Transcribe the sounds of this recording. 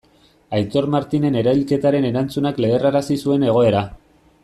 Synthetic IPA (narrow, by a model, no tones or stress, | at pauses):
ajt̪o̞ɾmaɾt̪ine̞ne̞ɾailke̞t̪aɾe̞ne̞ɾant͡sunakle̞eraɾasisue̞ne̞ɣ̞o̞e̞ɾa